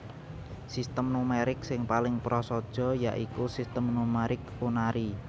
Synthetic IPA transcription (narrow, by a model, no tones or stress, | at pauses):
sist̪əmnumeɾɪksɪŋpalɪŋpɾɔsɔd̥ʒ̥ɔ̤ja̰ʔikusist̪əmnumɛɾɪk | unaɾi